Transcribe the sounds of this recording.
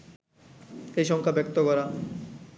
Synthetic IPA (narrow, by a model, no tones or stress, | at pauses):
ejʃɔŋkʰabɛk̚t̪okɔɾa